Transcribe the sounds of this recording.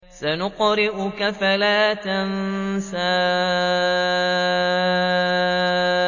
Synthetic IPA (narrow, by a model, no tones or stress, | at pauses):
sanʊqɾɪʔʊkafalaːt̪ansaː